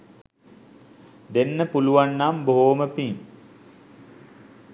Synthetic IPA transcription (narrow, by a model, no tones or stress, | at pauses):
d̪enːəpuluʋanːamboɦoməpiŋ